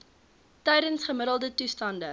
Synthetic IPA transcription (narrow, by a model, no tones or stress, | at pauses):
tɛjdənsχəməɾəlˠdətustɐndə